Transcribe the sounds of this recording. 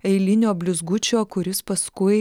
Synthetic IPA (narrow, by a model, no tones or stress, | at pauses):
ɛɪlʲɪnʲoːbʲlʲʊzɡʊt͡ʃʲoːkʊɾʲɪspɐskʊɪ